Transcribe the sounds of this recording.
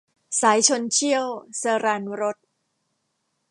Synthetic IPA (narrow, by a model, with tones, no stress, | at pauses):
saː˩˦jt͡ɕʰo˧nt͡ɕʰi˥˩əwsaː˧ɾaː˧nɾo˦˥t̪̚